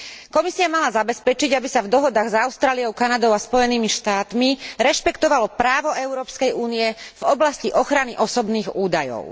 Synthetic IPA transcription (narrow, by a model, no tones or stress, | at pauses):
kɔmisiamalazabɛspɛt͡ʃiɟabisavd̪ɔɦɔd̪aːɣzaʊst̪ɾaːlijɔʊkanad̪ɔʊaspɔjɛniːmiʃt̪aːt̪miɾɛʃpɛkt̪ɔʋalɔpɾaːʋɔɛʊɾɔːpskɛjuːniɛv̥ɔblasciʔɔxɾaniʔɔsɔbniːɣuːd̪ajɔ̰ʊ